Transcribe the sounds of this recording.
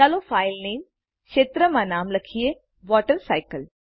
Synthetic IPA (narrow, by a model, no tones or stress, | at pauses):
alofajlneːm | kʃeːt̪ɾəmãnaːmlɐkʰije | ʋɔːʈəɾsajkəl